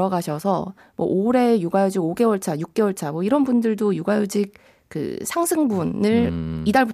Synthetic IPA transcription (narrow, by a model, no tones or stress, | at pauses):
ʌɡaɕʰʌsʰʌ | mwʌ̰ʔoɾe̞juɡajod͡ʑiɡoɡe̞wʌɭt͡ɕʰajuk̚k͈e̞wʌɭt͡ɕʰamwʌiɾʌnbundɯɭdojuɡajod͡ʑik̚ | kɯ̰sʰaŋsʰɯŋbunɯɭidaɭbu